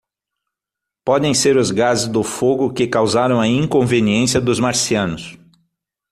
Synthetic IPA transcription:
pɔd̪ẽj̃seɾʊzɡazɪzd̪ʊfoɡʊkɪkawzaɾɐ̃w̃ɐĩŋkõveniẽsjɐd̪ʊzmaɾsiɐ̃nʊs

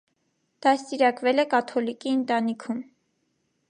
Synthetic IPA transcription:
d̪̥ɑst̪iɾɑkvɛlɛkɑt̪ʰɔlikiənt̪ɑnikʰum

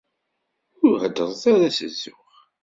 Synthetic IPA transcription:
ʊɾhəd̪əðˤθaɾasəzːʊχ

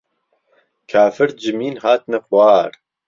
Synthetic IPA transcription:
kʰaːfɨɾ̚d͡ʒɨmiːnhaːt̪nɐqwaːɾ

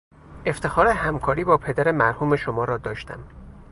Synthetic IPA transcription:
ʔe̞ft̪ʰe̞xɒːɾehæmkʰɒːɾiːbɒːpʰe̞d̪æɾemæɾhuːme̞ʃomɒːɾɒːd̪ɒːʃt̪ʰæ̰m

